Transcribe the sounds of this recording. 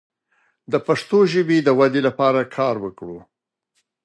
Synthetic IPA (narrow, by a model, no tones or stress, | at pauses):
d̪əpaʂt̪oʒəbed̪əwad̪elapɑɾakʰɑɾwəkɽu